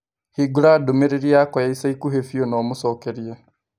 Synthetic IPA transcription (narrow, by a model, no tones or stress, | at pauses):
hiɡuɾadomeɾeɾiaːkɔjaisaikuɦefijonomusokeɾie